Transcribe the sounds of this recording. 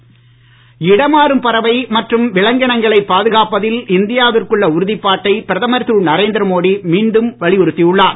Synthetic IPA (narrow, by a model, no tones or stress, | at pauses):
ɪɽɐmaːɾɯmpɐɾɐʋɐɪmɐʈrɯmʋɪɭɐŋɡɐɳɐŋɡɐɭɐɪpːaːðɯɣaːpɐðɪlɪnd̪ɪjaːʋɪrkɯɭːɐʊɾɯðɪpːaːʈːɐɪpɪɾɐðɐmɐɾtuɭnɐɾeːnd̪ɾɐmoːɽimiːɳɖɯmʋɐɭɪʊɾɯt̪ːijɯɭːaː